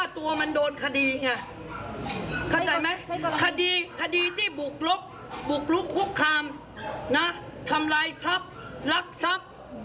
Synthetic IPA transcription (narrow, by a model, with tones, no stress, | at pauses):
aː˥˩t̪u˧ɐma˧ndoː˧nkʰa˧diː˧ŋa˧˩ | kʰa˧˩t͡ɕa˨˩ma˦˥kʰa˧diː˧kʰa˧diː˧t̪ʰiː˥˩bu˨˩k̚lo˦˥k̚ | bu˨˩k̚lu˦˥kʰːu˦˥kʰːaː˧m | na˦˥t̪ʰa˧mlaː˧jsa˦˥p̚la˦˥k̚sa˦˥p̚